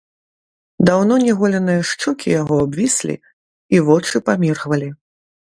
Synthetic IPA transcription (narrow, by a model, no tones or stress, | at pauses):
d̪awnɔnʲɛɣɔlʲɛnɨjɐʂt͡ʂɔkʲʰijaɣɔabvʲisʲlʲḭ | ivɔt͡ʂɨpamʲirɣvɐlʲi